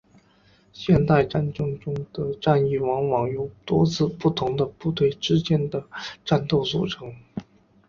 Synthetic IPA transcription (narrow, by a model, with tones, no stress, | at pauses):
ɕjɛ˥˧nt̪a˥˧ɪʈ͡ʂa˥˧nʈ͡ʂɤ˥˧ŋʈ͡ʂʊ˥ŋd̪̥ə˨ʈ͡ʂa˥˧ni˥˩wɑ˧˥ŋwɑ˨˩ŋjo˧˥ʊt̪wɔ˥t͡sʰɹ̩˥˧pu˥˩t̪ʰʊ˧˥ŋd̪ə˧pu˥˧t̪we˥˩ɪʈ͡ʂɻ̩˥t͡ɕjɛ˥nd̪ə˨ʈ͡ʂa˥˧nt̪o˥˧ʊsṵ˥˩ʈ͡ʂʰɤ˧˥ŋ